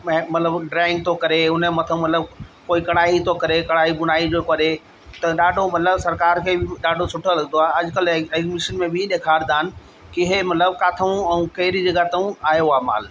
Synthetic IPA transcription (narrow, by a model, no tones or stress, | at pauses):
mɐt̪ləbɖɾaːɪ̃ŋɡ̚t̪ʰokɐɾeʊnəmɐt̪ʰəũmɐt̪ləbkoːikɐɽ̃aːit̪ʰokɐɾekɐɽaːiɓʊnaːid͡ʑokɐɾe | t̪ɐɗaːɖʱomɐt̪ləbsɐɾkaːɾkʰebɪɗaːɖʱosʊʈʰolɐɡnd̪oaːɦeɐʄkɐleːɡmɪʃənmẽbʱɪĩɗ̪eːkʰaːɾd̪aːnɪ̆ | kiɪɦmɐt̪ləbkaːt̪ʰəũɛ̃ũkɐɦɪɾid͡ʑɐɡat̪ɐũaːɦeʊaːma̰ːl